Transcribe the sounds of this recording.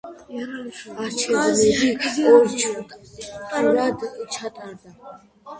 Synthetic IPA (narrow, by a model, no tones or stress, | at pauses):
aɾt͡ʃʰɛnɛɾiɔɾt͡ʃʰukʼ | ɾad̪t͡ʃʰat̪ʼaɾd̪a